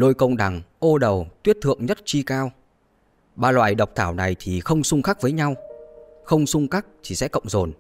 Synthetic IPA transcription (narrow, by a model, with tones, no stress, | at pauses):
lo˧jkə˧wŋ͡mɗa˨˩ŋʔo˧ɗə˨˩wt̪wi˦˥ət̚t̪ʰɨ̰˧˨əŋɲə˦˥t̚t͡ɕi˧kaː˧w | ɓaː˧lwa̰ː˧˨jɗə˨˩wk͡p̚t̪ʰaː˧˩wna˨˩jt̪ʰi˨˩xə˧wŋ͡msʊ˧ŋ͡mxaː˦˥k̚vəː˨˦jɲa˧wxə˧wŋ͡msʊ˧ŋ͡mxa˦˥k̚t̪ʰi˨˩sɛ̰˧˥kə̰˧˨wŋ͡mzo˨˩n